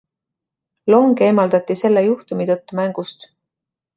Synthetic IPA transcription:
lo̞ŋɡe̞ːmɑld̪ɑt̪ːise̞lːejuht̪umit̪ɤt̪ːumæŋɡ̥ust̪

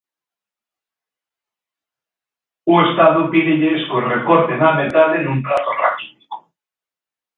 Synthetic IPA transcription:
uest̪aðupiðeʎeskorekoɾt̪ezðamet̪aðenũmt̪ɾat̪ora̰ki̥ti̥ko̥

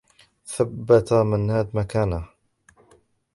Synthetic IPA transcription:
θabːat̪amanːaːd̪makaːna

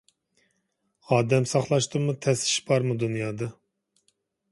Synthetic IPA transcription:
ɑːd̪ɛmsɑχlˠɑʃt̪ɨmːut̪ʰɛsɪ̥ʃbɑɾmud̪unjɑːd̪ɑ

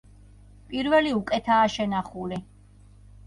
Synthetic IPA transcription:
pʼiɾvɛliukʼɛt̪ʰaːʃɛnaχuli

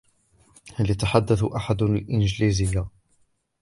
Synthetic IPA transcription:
haljat̪aħad̪ːaθʔaħad̪lʔɪnd͡ʒliːzɪjːa

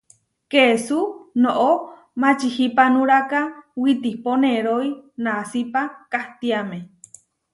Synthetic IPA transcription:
kesunoʔo | mãt͡ʃihipanũɾakawit̪ihponeɾoinasipakaht̪iamẽ

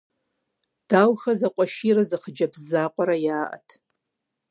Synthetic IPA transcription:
d̥aːwxɐzaqʷʼɔʃirɐzɨχd͡ʒɐbzaːqʷʼɔɾajaːʔɐ̰tʰ

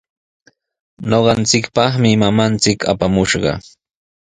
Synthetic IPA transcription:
noɢɑnt͡sɪkpɑχmɪmamant͡sɪkʰa̰pamʊʃɢɑ̰

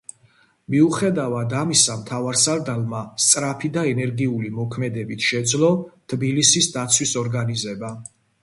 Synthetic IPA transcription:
miuχɛd̪avad̪amisamt̪ʰavaɾsaɾd̪alˠmast̪sʼɾapʰid̪aɛnɛɾɡiulimɔkʰmɛd̪ɛbit̪ʰʃɛd̪zlˠɔt̪ʰbilisisd̪at̪sʰwisɔɾɡanizɛba

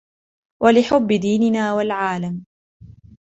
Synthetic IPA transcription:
wʔalɪħʊbːɪd̪iːnɪnaːwalʕaːlam

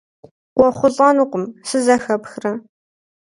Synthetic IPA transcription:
qʷɔχʷʊɮʼɐnuːqʷʼʊmsɨzɐxɐpxrɐ

